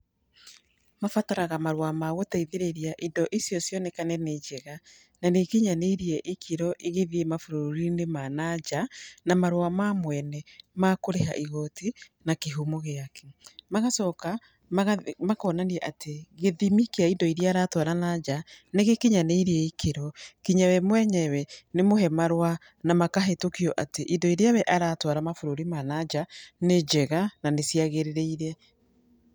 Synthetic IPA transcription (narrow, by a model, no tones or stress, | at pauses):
mafataɾaɣamaɾwamaɣotaiðeɾeɾiaʔindɔʔesjɔsjɔnɛkanɛned͡ʒɛɣa | nanekeɲaneiɾiɛʔekʰiɾɔʔiɣeðiemafoɾoɾinemanaɟanamaɾwamamwɛnɛmakoɾeɦa̰ʔiɣɔti | nakeɦumoɣeakɛ̥maɣasɔːka | maɣamakɔnaniɛʔateɣeðimikeaindɔiɾeaːɾatwaɾanad͡ʒaneɣekiɲaneiɾeɛikʰeɾɔkiɲawɛmwɛɲɛwɛnemoɦɛmaɾwa | namakaɦɛtokiɔʔateʔindɔiɾejawɛʔaɾatwaɾamafoɾoɾimanad͡ʒaned͡ʒɛɣananesiaɣeɾeɾeiɾɛ